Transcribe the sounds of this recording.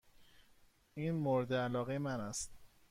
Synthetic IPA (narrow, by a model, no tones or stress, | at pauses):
iːnmoɾed̪eælɒːɣejemænæst̪̚